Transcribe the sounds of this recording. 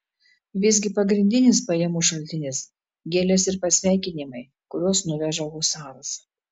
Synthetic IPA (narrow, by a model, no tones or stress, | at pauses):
ʋʲɪzʲɡʲɪpɐɡɾʲɪnʲd̪ʲɪnʲɪspɐjɛmuːʃɐlʲt̪ʲɪnʲɪs | ɡʲeːlʲɛsɪɾpɐsʲʋʲæˑɪkʲɪnʲɪmɐɪ | kʊɾʲuɔːsnʊʋʲɛʒɐʋuːsɑːɾɐs